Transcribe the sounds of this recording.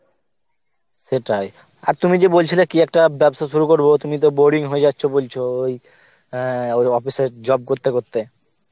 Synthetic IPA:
seʈaj | a̰ɾt̪umid͡ʑebolt͡ɕʰilekiɛk̚ʈabɛbst̪aʃ̬uɾukoɾbot̪umit̪̬oboɾɖiŋɦoed͡ʑat̪ːɕʰobolt͡ɕʰooj | ojɔfised͡ʑɔb̚koɾt̪ekoɾt̪e

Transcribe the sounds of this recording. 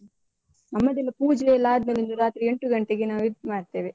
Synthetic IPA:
nɐmːɐd̪ilːɐpuːd͡ʒlejɐlːaːd̪mɐlind̪uɾaːt̪ɾieɳʈuɡɐɳʈeɡenaːʋid̪pmaːɽt̪eːʋe

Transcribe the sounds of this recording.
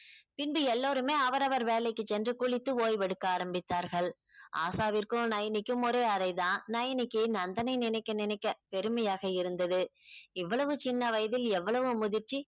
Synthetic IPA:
pɪnbɯɛlːoːɾɯmeːɐʋɐɾɐʋɐɾʋeːlɐɪkːɯt͡ʃːɛndrɯkʊɭɪt̪ːɯoːjʋɛɽɯkːaːɾɐmbɪt̪ːaːɾɣɐɭ | ʔa̰ːsaːʋɪɾkɯnɐjɐnɪkːɯmɔɾeːɐɾɐɪðãːnɐjɐnɪkːɯnɐnd̪ɐnɐɪnɪnɐɪkːɐnɪnɐɪkːɐpɛɾɯmɐjaːɣɐɪɾɯnd̪ɐðɯɪʋːɐɭɐʋɯt͡ʃɪnːɐʋɐjɐðɪlɛʋːɐɭɐʋɯmʊðɪɾt͡ʃːi

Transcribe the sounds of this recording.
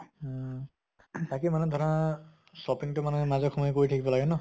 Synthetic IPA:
takimanɛd̪ʱɔɾa | sɔpiŋtʊmanɔmazɔkʰɔmɔjkoɹitʰakibɔlaɡɛnɔ

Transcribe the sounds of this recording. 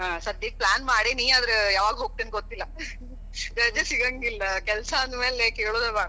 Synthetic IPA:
ɦãːsɐd̪jik̚plaːnmaːɽiniːaːd̪ɾejaːʋaːɡɦoːɡ̚t̪inɡot̪ːilːɐ | d͡ʒ̪ɐd͡ʒesiɡɐŋɡilːɐkɛlsɐːnd̪me̞ːlekeːɭoːd̪eːbaːɽ

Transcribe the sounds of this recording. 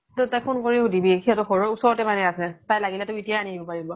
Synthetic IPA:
totakpʰunkoɹiʊdibikiatʊxɔɹɔusɔɹɔtɛmanɛasɛtajlaɡilɛtʊitijaanidibɔpaɹibɔ

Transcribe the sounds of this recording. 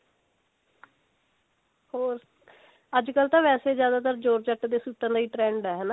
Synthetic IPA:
hoːɾ | əd͡ʒkəlt̪ãːʋɛːseːzjaːd̪aːt̪əɾd͡ʒoːɾt͡ʃəʈːd̪eːsuːt̪ːãːd̪aːiːʈɾɛ̃ːɳɖɛːɦɛːnaː

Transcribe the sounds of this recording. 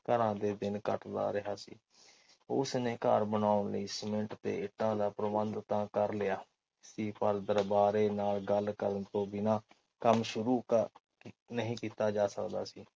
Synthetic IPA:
k̪əɾãːd̪eːd̪ɪnkəʈla̰ːɾɪɦaːsḭː | ʊsneːka̰ːɾbənaːʊnlə̰iːsmɪɳʈt̪ḛːɪʈːãːd̪aːpɾəmənd̪t̪ãːkəɾlɪaː | siːpəɾd̪əɾbaːɾeːnaːlɡəlkəɾənt̪õːbɪnãː | kəmʃʊɾuː | nəɦĩːkiːt̪aːd͡ʒaːsəkd̪a̰ːsiː

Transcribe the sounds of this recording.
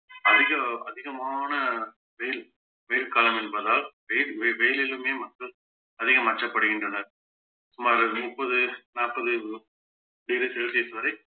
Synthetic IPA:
ɐðɪɣɐɐðɪɣɐmaːnɐ | ʋɛjɪl | ʋɛjɪlkaːlɐmɛnbɐðaːlʋɛjɪɾʋɛjɪlɪlɯmeːmɐkːɐl | ɐðɪɣɐmɐt͡ʃːɐpːɐɽɯɣɪɳdrɐnːɐɾ | sʊmaːɾɯmʊpːɐðɯnaːpɐðɯ | diːɾɯsɛɭseːsɯʋɐɾɐɪ

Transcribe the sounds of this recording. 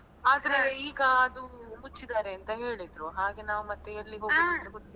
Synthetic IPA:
aːd̪ɐɾeiːɡɐːd̪umut͡ʃːid̪aːɾeɐnt̪ɐɦe̞ːɭid̪ɾuɦaːɡe̞naːʋumɐt̪ːeɐɾɐliɦo̞ːiɐt̪ɐɡot̪ːi

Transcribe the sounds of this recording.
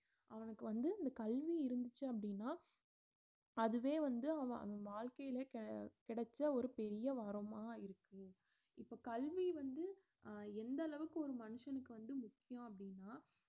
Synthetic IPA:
ʔɐʋɐnɯkːɯʋɐnd̪ɯɪnd̪ɐkɐlʋiɪɾɯnd̪ɯt͡ʃːɯɐpːɐɽɪnːaː | ɐðɯʋeːʋɐnd̪ɯɐʋɐ̰̃ɐ̰ʋɐ̃ʋaːɭkɐjɪlɐkkɪɽɐt͡ʃːɐɔɾɯpɛɾɪjɐʋɐɾɐmaːɪɾɯkːɯ | ɪpːoːkɐlʋiʋɐnd̪ɯ | ɛnd̪ɐlɐʋɯkːɯɔɾɯmɐnɯʂɐnɯkːɯʋɐnd̪ɯmʊkːɪjõɐpːɐɽɪnːaː

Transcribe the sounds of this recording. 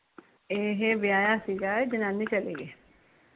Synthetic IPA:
eːɦeʋjaːjasiːɡaed͡ʒɪnaːnit͡ʃɐleːɡiː

